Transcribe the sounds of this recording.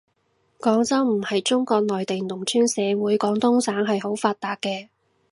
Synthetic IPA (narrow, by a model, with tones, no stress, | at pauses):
kɔː˨˥ŋt͡sɐ˥wm̩˨˩hɐ˨jt͡sʊ˥ŋkɔː˧k̚nɔː˨jt̪e˨jnʊ˨˩ŋt͡ʃʰyː˥nsɛː˨˧wuː˨˥jkɔː˨˥ŋt̪ʊ˥ŋsaː˨˥ŋɦɐ˨jho˨˥wfaː˧t̚t̪aː˨k̚kɛː˧